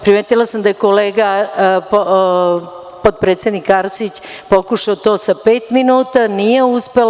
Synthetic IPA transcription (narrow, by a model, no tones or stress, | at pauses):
pɾimeːt̪ilasamd̪ajekoleːɡa | pot̪̚pɾet̪sjed̪nikaɾsit͡ɕ | po̞kuʃaot̪o̞ːsapeːt̪minuːt̪anijeuspel